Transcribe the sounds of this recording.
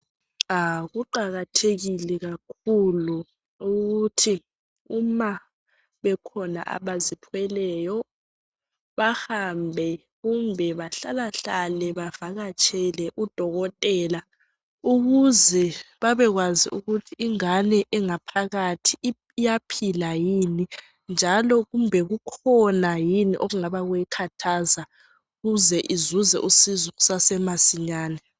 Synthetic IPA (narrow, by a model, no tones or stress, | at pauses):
aɣuǃaɣatʰeɣilɛɣakʰulu | uɣutʰi | uma | βɛkʰɔna̰ʔa̰βazipʰwɛlɛːjɔ | βahambʱɛ | ɣumbʱɛβaɬalaɬalɛβavaɣat͡ʃʰʼɛlɛʔud̥ʱɔɣɔtʼɛːla | uɣuzɛβaβɛɣwazḭʔuɣutʰiiŋanɛʔɛŋapʰaɣatʰiː | japʰilajini | nd͡ʒʱalɔɣumbʱɛɣukʰɔnajiniʔoɣuŋaβaɣwjɛkʰatʰaːza | uɣuzɛʔizuzɛ̰ʔusizuɣusasɛmasiɲaːnɛ